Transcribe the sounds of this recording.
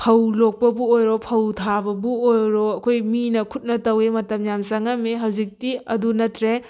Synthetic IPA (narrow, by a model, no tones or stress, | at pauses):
pʰɐwlok̚pɐbuojɾopʰɐwtʰabɐbuojɾoɐkʰojminɐkʰut̚nɐtɐwemɐtɐmjamsɐŋɐmeɦɐwzik̚tiɐdunɐtʰɾe